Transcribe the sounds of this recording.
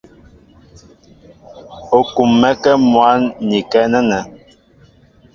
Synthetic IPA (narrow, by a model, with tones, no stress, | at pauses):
o˨ku˨mːɛ˦kɛ˦mwa˨˦nːi˨kɛ˦nɛ˦nɛ˨